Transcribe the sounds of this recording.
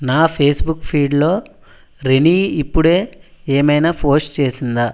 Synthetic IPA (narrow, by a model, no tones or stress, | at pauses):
naːpʰeːsbukːpʰiːɖlo̞ː | ɾeniːipːuɽeːeːmɐjnaːpʰo̞ːsʈt͡ʃe̞ːsind̪a